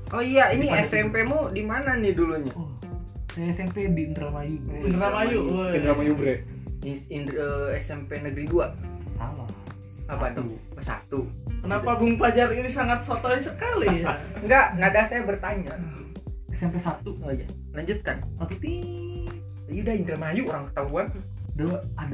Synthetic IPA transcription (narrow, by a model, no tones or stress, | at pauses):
ʔoijainiɛsɛmpemudimananiduluɲa | ɛsɛmpedint̪ɾamajubnɾamajunɾamajubɾeiinəɛsɛmpenəɡəɾiduasala | apado | əsa̰t̪ukənapabuŋplad͡ʒarinisaŋat̪̚sot̪oisəkaliŋɡaʔnadasajabərt̪aɲa | ɛsɛmpesat̪uŋad͡ʒa | laɲd͡ʒut̪̚kanat̪ut̪i | judaint̪ɾəmajuʔoɾaŋkə̥t̪aɦuan | dəad